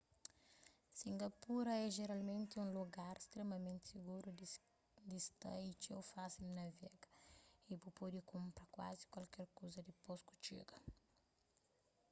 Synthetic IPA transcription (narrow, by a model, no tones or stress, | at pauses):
sĩŋɡɐpuɾɐɛʒeɾalmẽnt̪iũluɡaɾst̪ɾemɐmẽnt̪i̥siɡuɾu | d̪ist̪ɐ̰it͡ʃewfasilnɐvɛɡɐibupɔd̪ikũmpɾɐkwa̰zi̥kwalkɛɾkozɐd̪ipɔsku̥t͡ʃḭɡɐ